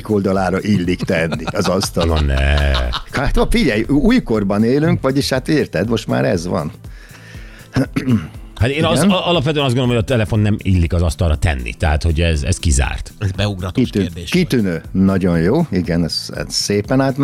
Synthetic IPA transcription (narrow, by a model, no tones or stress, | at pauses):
ko̞ld̪ɒlaːɾɒʔilːikt̪ɛnːiɒzɒst̪ɒlnɛ | hat̪fiɟɛjuːjko̞rbɒneːlyŋkʋɒɟiʃhat̪iːrt̪ɛd̪mo̞ʃt̪ma̰ːɾɛ̰zʋɒ̰n | hat̪eːnzɒlɒpʋɛt̪øɛnɒz̬dɡonomojɒt̪ɛlɛfo̞nːɛmilːikɒzɒst̪ɒrɒt̪ɛ̰nːḭt̪ɛɦat̪ho̞ɟɛzɛ̰skiza̰ːrt̪bɛuɡɾkit̪ykit̪ynøːnɒɟo̞njoːiɡɛnɛz̥ɛ̰zseːpɛnaːt̪m